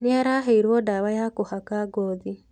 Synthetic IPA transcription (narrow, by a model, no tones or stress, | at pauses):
niaɾaɦeiɾwodaβajakuhakaɡoːði